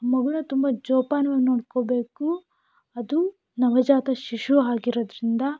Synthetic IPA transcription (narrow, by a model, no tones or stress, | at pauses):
mɐɡɐɭut̪umbɐd͡ʒɔːpaːnɐʋenoːɽkoːbe̞ːku | ɐd̪u | nɐʋɐd͡ʒaːt̪ɐʃiʃuaːɡiɾoːd̪ɾind̪ɐ